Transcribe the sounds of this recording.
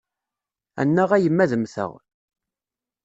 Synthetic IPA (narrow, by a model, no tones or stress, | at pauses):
æ̰nːəʁæjəmːæðəmθə̰ʁ